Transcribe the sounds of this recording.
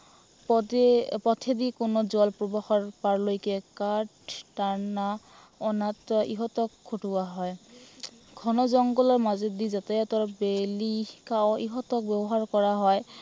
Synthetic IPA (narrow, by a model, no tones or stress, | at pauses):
ppɔt̪ʰed̪ikʊnɔzɔlpɹobɔxɔɹpaɹlojkɛkaʈːaɹna | ɔnatḭɦɔtɔkʰːoʈuwaɦɔj | ɡʱɔnɔzɔŋɡɔlɔɹmazed̪izat̪ɛjɔt̪ɔɹbelikaoiɦɔtɔk̚bɛbɔɦaɹkɔɹaɦɔj